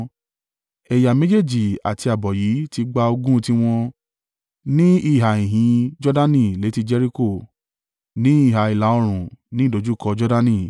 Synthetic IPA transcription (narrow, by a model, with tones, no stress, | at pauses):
ɛ˨ja˨mẽ˦d͡ʒe˦˨d͡ʒi˨a̰˨ti˧a˨bɔ˨ji˨˦ti˧ɡ͡ba˧o˧ɡũ˦˧ti˦w̃ɔ̃˧ | nĩ˦i˦˨ɦa˨ĩ˨ɦĩ˨˦d͡ʒɔ˦da˦nĩ˦˨le˨˦ti˧d͡ʒɛ˦ɾi˦ko˦˨ | nĩ˦i˦˨ɦa˨i˨la˨˦ɔ˧ɾ̃ũ˨nĩ˦i˦˨do˨˦d͡ʒu˦˨kɔ˧d͡ʒɔ˦da˦nĩ˦˨